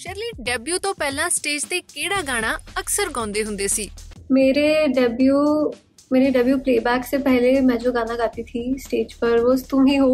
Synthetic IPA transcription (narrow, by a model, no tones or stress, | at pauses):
ʃɛːɾliːɖəbjuːt̪õːpɛːlãːsʈeːd͡ʒt̪eːkeːɽaːɡaːɽ̃ãːəksəɾɡãːnd̪eːɦʊ̃nd̪eːsiːmeːɾeːɖəbjuː | meːɾeːɖəbjuːpleːbɛːkseːpɛɦleːmɛ̃ːd͡ʒoːɡaːnaːɡaːt̪iːt̪ʰiːsʈeːd͡ʒpəɾʋost̪ũːɦĩːɦoː